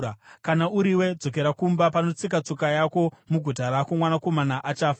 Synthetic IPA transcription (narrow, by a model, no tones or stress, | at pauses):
kanauɾiwe̞d͡zo̞k̬e̞ɾakumbapano̞t͡sikat͡sokajako̞muɡʱutaɾako̞mwanako̞manaʔat͡ʃaːfa